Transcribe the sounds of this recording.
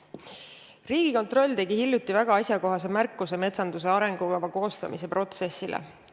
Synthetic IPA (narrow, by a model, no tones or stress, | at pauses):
riːɡ̥iko̞nt̪ro̞lʲːt̪e̞ɡihilʲjut̪ːˑivæɡ̥ɑɑsʲjɑko̞ɦɑs̬e̞mærkːuse̞me̞t̪sɑnd̪̥us̬e̞ɑɾe̞ŋɡ̥ukɑvɑko̞ːst̪ɑ̰mise̞pro̞t̪se̞sːilḛ